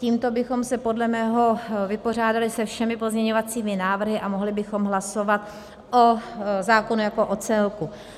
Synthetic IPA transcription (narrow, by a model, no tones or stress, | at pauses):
ciːmt̪o̞bɪxo̞msɛpo̞dlɛmɛːɦo̞vɪpo̞r̝aːdalɪsɛfʃɛmɪpo̞zɲɛɲo̞vat͡siːmɪnaːvr̩ɦɪʔamoɦlɪbɪxo̞mɦlaso̞vat̪ | ʔozaːko̞nujako̞ʔot͡sɛlku